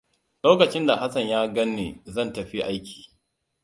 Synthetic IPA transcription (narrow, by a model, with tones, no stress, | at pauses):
loː˦kɐ˨t͡ʃɪ˦nda˨ɦa˦sɐ˨ɲjaː˦ɡɐ˦nːḛː˨zɐ˦˨ntɐ˨ɸi˦ʔa˦jkʲʰi̥ː˨